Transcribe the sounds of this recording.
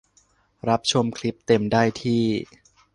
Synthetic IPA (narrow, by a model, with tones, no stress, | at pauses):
ɾa˦˥p̚t͡ɕʰo˧mkʰli˦˥p̚t̪e˧mdaː˥˩jt̪ʰiː˥˩